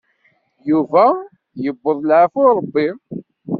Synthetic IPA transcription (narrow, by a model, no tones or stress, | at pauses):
juvæ | jəbːəðˤlʕəfoɾˤəbːi